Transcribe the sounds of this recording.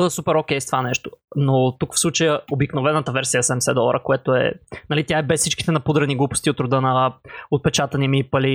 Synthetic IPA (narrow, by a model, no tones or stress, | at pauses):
əd̪ˠəsupɛɾokʲɛjst̪ovanɛʃt̪o̥not̪ukfslˠut͡ʃəjəobiknovɛnət̪əvɛɾsijəsɛmɛsɛd̪ɔɾʔəkoɛt̪oɛ̰nɐlit̪jaɛbɛssit͡ʃki̥t̪ɛnɐpud̪ɾəniɡlˠupo̥st̪iot̪ɾʊd̪ənəot̪̚pɛt͡ʃat̪ɐnimiːpɐli